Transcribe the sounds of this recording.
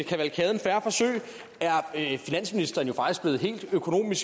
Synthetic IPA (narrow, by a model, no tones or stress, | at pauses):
kʰæʋælkʰɛːð̞ˠən̩fæɐfɒ̽sø̰ːɪ | æɐfinæn̰sminisd̥ɐːn̩jo̝fɑ̈ɡ̥isɡ̥b̥le̝ːð̩ˠɦe̝̰ːld̥økʰo̝no̝̰ːmis